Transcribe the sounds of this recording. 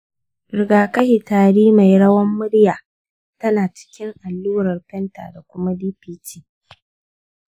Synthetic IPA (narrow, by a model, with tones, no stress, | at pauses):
ɾɪ˨ɡaː˨kɐ˦hi˨taː˨ɽiː˦ma˨jɽɐ˦wɐ˦mːʊ˦ɽjaː˨ | tɐ˦naː˨t͡ʃɪ̥˦kʲɪ˦ŋʔa˨lːuː˦ɾɐ˨rpɛ˦nta̰ː˨da˨kʷʊ˦ma˦diː˦piː˦tʰiː˦